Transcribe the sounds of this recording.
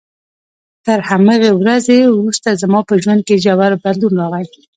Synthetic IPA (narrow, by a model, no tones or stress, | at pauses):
t̪əɾhamɑɣewɾazewɾust̪azamɑpəʒwand̪̚ked͡ʒawaɾbad̪lunɾɑɣaj